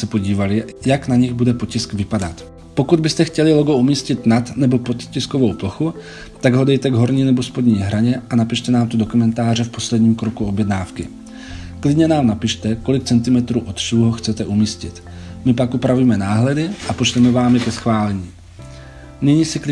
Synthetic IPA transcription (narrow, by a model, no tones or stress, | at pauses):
sɛpo̞ɟiːvalɪjaknaɲɪɣbudɛpo̞cɪskvɪpadat̪ | po̞kud̪̚bɪst̪ɛxcɛlɪlo̞ɡoumiːscɪt̪nat̪nɛbo̞po̞t̪cɪskovowploxu | t̪aɡɦo̞dɛjt̪ɛɡɦo̞ɾɲiːnɛbospo̞dɲiːɦɾaɲɛʔanapɪʃt̪ɛnaːmt̪odo̞kumɛnt̪aːrɛfpo̞slɛdɲiːmkɾokuo̞bjɛdnaːfkɪ̰ | klɪdɲɛnaːmnapɪʃt̪ɛko̞lɪk̚t͡sɛnt̪ɪmɛt̪ɾuːʔot̪ʃuuɦoxt͡sɛt̪ɛʔumiːscɪt̪ | mɪp̬akʔupɾavujmɛnaːɦlɛdɪʔapot͡ʃt̪ɛmɛvaːmɪkɛsxvaːlɛɲiː | nɪɲiːsɪk